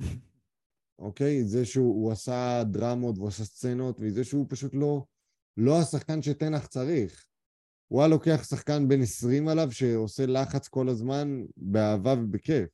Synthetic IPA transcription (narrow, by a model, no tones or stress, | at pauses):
ʔo̞̰ke̞jizeʃeuuasadʁamo̞tvuasast͡seno̞t̪veze̞ʃeupaʃutlo̞ | lo̞asaχkanʃe̞t̪enaχt͡saʁiχ | w̰aalo̞ke̞aχsaχkanbe̞nesʁimalavʃe̞ose̞laχat͡sko̞lazmanbeaːvavebekef